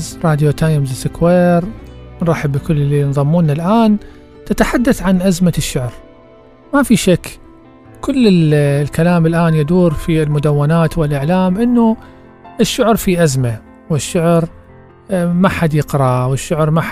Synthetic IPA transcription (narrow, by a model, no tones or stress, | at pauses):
zɾˤɑːd̪jot̪aːjmzɪsɪkweːɾnɾˤɑːħɪbːɪlkʊlːɪlːinðˤɑmːuːnːalʔaːn | t̪ɪt̪aħad̪ːaθʕanʔazmaʃːʊʕɾ | mafiʃakː | kʊlːɪlkalaːmɪlʔaːnjɪd̪uːɾfilmʊd̪awːanaːt̪wɪlʔɪʕlaːmʔɪnːu | ʔɪʃːʊʕɾfiʔazma | wɪʃːʊʕɾ | maħad̪jɪqɾˤɑwɪʃːʊʕɾma